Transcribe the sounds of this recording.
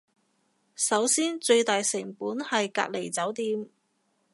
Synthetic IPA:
sɐ˨˥wsiː˥nt͡ʃɵ˧ɥt̪aː˨jsɪ˨˩ŋpuː˨˥nhɐ˨jka̰ː˧t̚le˨˩jt͡sɐ˨˥wt̪iː˧m

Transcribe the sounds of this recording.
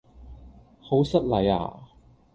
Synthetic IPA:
ho˨˥wsɐ˥t̚lɐ˨˥ja̰ː˨˩

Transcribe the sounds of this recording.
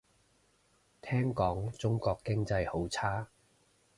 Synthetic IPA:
t̪ʰɛː˥ŋkɔː˨˥ŋt͡sʊ˥ŋkɔː˧kːɪ˥ŋt͡sɐ˧jho˨˥wt͡sʰaː˥

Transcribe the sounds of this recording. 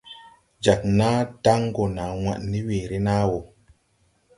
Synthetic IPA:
d͡ʒa˨k̚na˦da˦ŋɡo˨na˨wʷa̰˨ʔni˦weː˨ɾi˦na˦wo˨

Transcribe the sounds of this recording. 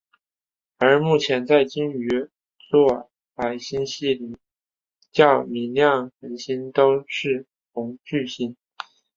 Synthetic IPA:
ə˞˧˥mu˥˩t͡ɕʰjɛ˧˥nt͡sa˥˩ɪt͡ɕi˥ny˧˥ | t͡swɔ˥˩ | pa˧˥ɪɕi˥nɕi˥˩li˧˩˥ | t͡ɕjɑ˥˩ʊmi˧˥nljɑ˥˩ŋxə˧˥nɕi˥nt̪o˥ʊʂɻ̩˥˩ | xʊ˧˥ŋt͡ɕy˥˧ɕi˥˩n

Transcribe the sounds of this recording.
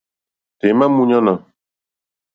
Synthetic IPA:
te˨˦ma˦mũ˦ɲɔ̃˦na˨

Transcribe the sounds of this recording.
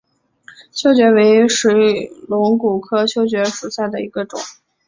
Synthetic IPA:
ɕjo˥ʊt͡ɕɥɛ˧˥we˧˥ɪʂi˧˥ɪlʊ˧˥ŋku˨˩kʰɤ˥ɕjo˥ʊt͡ɕɥɛ˧˥ʂu˨˩ɕja˥˩ɪd̪ə˩i˧˥ɡə˧ʈ͡ʂʊ̰˨˩˦ŋ

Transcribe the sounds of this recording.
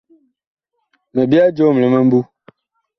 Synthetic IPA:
mə˨bi˦a˦d͡ʒo˦˨m˨lə˨mə˦m̩˦bu˦

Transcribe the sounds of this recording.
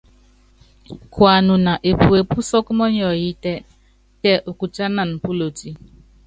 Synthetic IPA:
kwa˨nʊ˨na˨ʔe˨pu˨e˨pu˦sɔ˦kʊ˦mɔ˦ɲ˦ɔ˨ji˦te˦ | te˦ʔo˨ku˨t͡ʃa˦na˨m̩˨pu˦lo˨ti˦

